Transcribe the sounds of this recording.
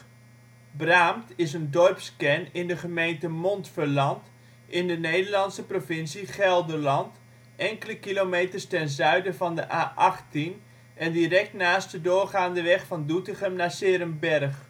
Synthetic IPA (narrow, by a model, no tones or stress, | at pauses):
braːmtɪsəndɔrpskɛnɪndəχəmejntəmɔntfərlɑnt | ʔɪndənejdəɹlɑnsəprovɪnsiχɛlˠdəlɑnt | ʔɛŋkələkilomejtərstɛnzœɥdəvɑndəʔaːʔɑχtin | ɛndirɛk̚tnaːst̚dədʊːrχaːndəʋɛχfɑndutəχəmnaːsɪːɾəmbɛrχ